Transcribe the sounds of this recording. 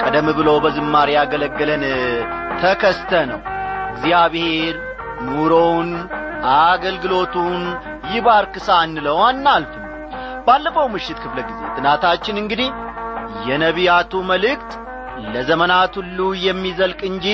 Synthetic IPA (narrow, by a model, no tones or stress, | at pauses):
kʼəd̪əmɨβɨlobəzɨmːaɾjaɡələɡːɨlənt̪ʰəkʰəst̪ʰənəwɡzijaβɨhe̞ɾ | nuɾownʔaɡəlɡɨlo̞t̪ʰun | jɪβaɾkɨsanːɨləwanːalfɨn | balːəfəwmɨʃːɪt̪kʰɨfləɡize̞̰t̪ʰʼɨnat̪ʰat͡ʃːɪnɨŋɡɨd̪ihjɛnəβijat̪ʰuməlɨk̚t̪ | ləzəmənat̪ulːujɛmːizəlkʼɨnd͡ʒi